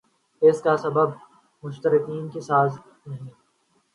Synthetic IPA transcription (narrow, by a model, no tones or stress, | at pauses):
ɪskasɐbəb | mʊʃt̪əɾɪkiːnkisaːz | nɐɦĩ